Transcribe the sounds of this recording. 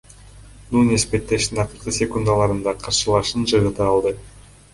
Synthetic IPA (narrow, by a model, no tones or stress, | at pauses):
nunespe̞t̪ːe̞ʃt̪inɑqɯɾqɯsʲe̞kund̪alˠɑɾɯnd̪ɑqʰɑɾʃɯlˠɑʃɯnd͡ʒɯʁɯt̪ɯɑlˠd̪ɯ